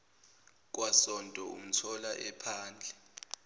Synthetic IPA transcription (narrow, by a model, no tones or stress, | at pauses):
k̬ʼwasɔntʼɔṵm̩tʰɔlaʔɛpʰaːnd͡ɮʱɛ